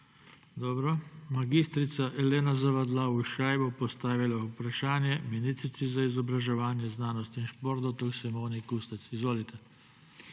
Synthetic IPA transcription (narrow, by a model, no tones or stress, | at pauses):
d̪ɔːbɾɔmaɡist̪ɾit̪saʔɛleːnazaʋad̪lauʃajbopɔst̪aːʋilaupɾaʃaːnjɛminist̪ɾit̪sizaizɔbɾaʒɛʋaːnjɛznaːnɔst̪inʃpɔɾt̪ɔt̪ɔksɛmoːnikust̪ɛt̪sizʋoːlit̪ʰɛ